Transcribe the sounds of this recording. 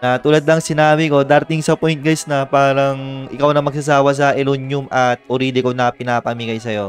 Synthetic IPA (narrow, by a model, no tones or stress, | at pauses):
nɐt̪uːlɐad̪lɐŋsɪnaːβɪko̞d̪aːɾɐt̪ɪŋsɐpojnt̪̚ɡɐsnɐpaːɾɐŋʔɪkawnɐmɐɡ̚sɐs̬aːwɐs̬ɐʔɛlunjʊmʔɐt̪̚ʔʊɾiːd̪ɪkonɐpɪnaːpɐmiɡɐjsɐjo̞̰